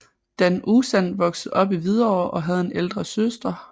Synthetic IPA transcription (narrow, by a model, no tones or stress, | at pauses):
d̥ænʔusænʋɒ̽ɡ̥sð̩ˠɒ̽b̥iʋið̞ˠɐɒʊ̰ʔɒ̽ɦæð̞̩ˠe̝neld̥ʁɐsøsd̥ɐ